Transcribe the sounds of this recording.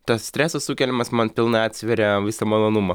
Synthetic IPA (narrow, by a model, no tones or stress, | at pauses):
t̪ɐssʲt̪ʲɾʲæːsɐssukʲɛlʲɪmɐsmɐnpʲɪlˠnɐɑːt̪ʲsʲʋʲɛɾʲɛʋʲɪsɐmɐlˠoːnumɐ